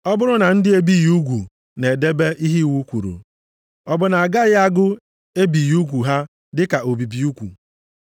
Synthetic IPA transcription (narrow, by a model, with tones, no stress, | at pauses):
ɔ˦bʊ˦ɾʊ˦na˨n̩˦dɪ˦e˦bi˦˨ju˦ɡʷu˨ | ne˨de˦be˦ʔi˦ɦi˦˨wu˦kʷu˨ɾṵ˨ | ɔ˦bʊ˨na˨a˨ɡa˦ɣɪ˦a˦ɡʊ˦ | e˦bi˨ju˦ɡʷu˨ɦa˦ | dɪ˦ka˨ʔo˨bi˨bi˨u˦kʷṵ˨